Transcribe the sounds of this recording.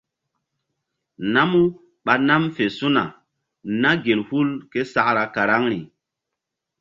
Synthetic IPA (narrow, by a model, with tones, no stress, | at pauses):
na˦mu˦ | ɓa˨na˦mfe˨su˦na̰˨ | na˦ɡe˨lhu˦lke˦sa˦kɾa˨ka˨ɾa˦ŋɾi˨